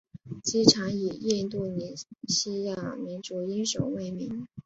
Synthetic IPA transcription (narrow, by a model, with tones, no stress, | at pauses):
t͡ɕi˥ʈ͡ʂʰɑ˧˥ŋi˨˩i˥˧nt̪u˥˩n˧˥nɕi˥˧ja˥˩mi˧˥nʈ͡ʂu˨˧˥i˥nʂo˨˩ʊwe˥˩ɪmi˧˥ŋ